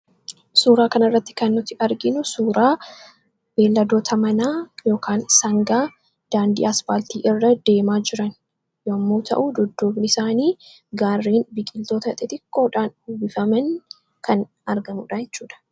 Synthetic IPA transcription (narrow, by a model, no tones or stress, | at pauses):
suːɾaːkɐnɐrːɐt̪ːɪ̥kɐnːʊt̪ɪʔɐɾɡɪnʊsuːɾaː | b̥e̞ːlːɐd̪o̞ːt̪ʰɐmɐnaːjo̞ːkʰaːnsɐŋɡaː | d̪̥aːnd̪ḭːɐsfaːlt̪iːʔɪrːɐd̪e̞ːmaːd͡ʒɪɾɐn | joːɐmːoːt̪ʰɐ̰ʔud̪ʊd̪ːoːbnɪɪsaːniː | ɡaːrːiːnbɪkʼɪlt̪o̞ːt̪ɐt̪ʼɛt̪ɪkːoːᶑaːnubɪfɐmɐn | kɐn | ɐɾɡɐmuːᶑajɛt͡ʃːuːᶑɐ̥